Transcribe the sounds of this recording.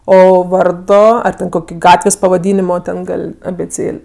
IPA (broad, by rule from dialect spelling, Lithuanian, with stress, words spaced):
ˈoː ˈʋɐrdoː ɐr tʲɛn ˈkoːkʲɪ ˈɡɑːtʲʋʲeːsʲ pɐʋɐˈdʲiːnʲɪmoː ˈtʲɛn ˈɡɐlʲ ɐbʲeːˈt͡sʲeːlʲ